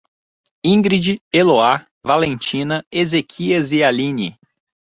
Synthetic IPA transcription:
ĩŋɡɾid͡ʒieloa | valẽnt͡ʃĩnɐezekʰiɐzialĩnḭ

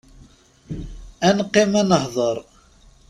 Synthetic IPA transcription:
ænqːemænəhðˤəɾˤ

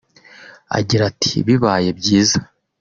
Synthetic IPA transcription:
a̰ɡiɾatʰi̥βiβaje̞bɟiːzḁ

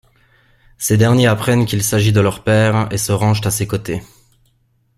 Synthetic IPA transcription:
sed̪ɛʁnjeapχɛnkʲilsaʒid̪əlœʁpɛːʁesəʁɑ̃ʒt̪asekot̪e

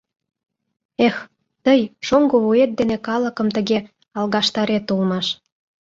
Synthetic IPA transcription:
ex | t̪əjʃoŋɡoβuet̪̚d̪enekɑlə̆kə̆mt̪əɣe | ɑlɣɑʃt̪ɑɾet̪ulmɑʃ

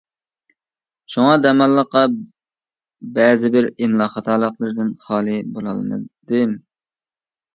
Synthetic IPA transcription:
ʃuŋɑd̪ɛmɑlˠːəqːɑ | bɛːzɪbɪɾɪmlˠɑːχɑt̪ɑːlˠəqlˠɨɾd̪ɪnχɑːlˠɨbolˠɑ̰lˠmɨ̰d̪̥ɪm

